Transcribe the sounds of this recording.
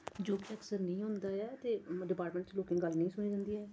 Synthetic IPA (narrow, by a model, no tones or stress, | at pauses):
d͡ʒoːkɪəksəɾnĩːɦʊ̃ːnd̪aːɛːt̪eːɖɪpaːɾʈmə̃ːɳʈt͡ʃloːkɪ̃ŋɡəlnĩːsʊñiːd͡ʒə̃nd̪iːɛː